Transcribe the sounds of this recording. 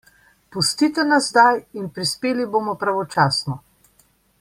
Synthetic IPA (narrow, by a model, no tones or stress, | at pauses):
pust̪iːt̪ɛnazzd̪ajinpɾispeːliboːmɔpɾaʋɔt͡ʃaːsnɔ